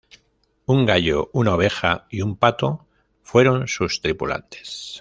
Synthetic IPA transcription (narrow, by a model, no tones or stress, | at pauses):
uŋɡaʎounaoβ̞e̞xaiumpat̪o̞ | fwe̞ɾo̞nsust̪ɾipṵla̰nt̪e̞̥s